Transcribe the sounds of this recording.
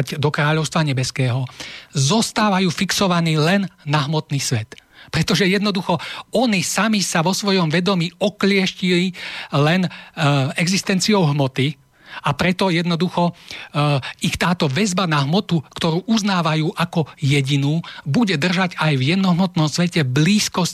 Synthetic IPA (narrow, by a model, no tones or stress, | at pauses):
ɟd̪ɔkɾaːʎɔʊst̪ʋaɲɛbɛskɛːɦɔzɔst̪aːʋajuːfiksɔʋaniːlɛnːaɦmɔt̪niːsʋɛt̪pɾɛt̪ɔʒɛjɛd̪nɔd̪uxɔɔnisamisaʋɔsʋɔjɔmʋɛd̪ɔmiːɔklɪɛʃcililɛn | ɛɡzist̪ɛnt͡siɔʊɦmɔt̪i | apɾɛt̪ɔjɛd̪nɔd̪uxɔ | ixt̪aːt̪ɔʋɛzbanaɦmɔt̪ukt̪ɔɾuːʔuznaːʋajuːʔakɔjɛɟinuːbuɟɛd̪r̩ʒaɟajvjɛd̪nɔɦmɔt̪nɔmsʋɛcɛbliːskɔs